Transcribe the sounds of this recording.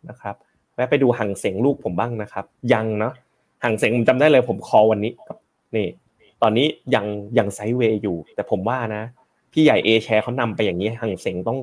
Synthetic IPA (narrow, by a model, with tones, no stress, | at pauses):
na˦˥kʰa˦˥p̚ | mɛː˦˥pa˧jduː˧ha˨˩ŋse˨˩˦ŋluː˥˩k̚pʰo˩˦mbaː˥˩ŋna˦˥kʰa˦˥p̚ja˧ŋnɔ˦˥ʔ | ha˨˩ŋse˨˩˦ŋʰpt͡ɕa˧mdaː˥˩jlɤː˧jpʰo˩˦mkʰɔː˧wa˧nːiː˦˥ka˨˩p̚ | niː˧˩ | t̪ɔː˧nːiː˦˥ja˧ŋja˧ŋsa˦˥jweː˧juː˨˩t̪ɛː˨˩pʰo˨˩˦mwaː˥˩na˦˥ | pʰiː˥˩ja˨˩jʔeː˧t͡ɕʰɛː˧kʰa˦˥wna˧mpa˧jːaː˨˩ŋiː˦˥ha˨˩˦ŋse˩˦ŋt̪ɔ˥˩ŋ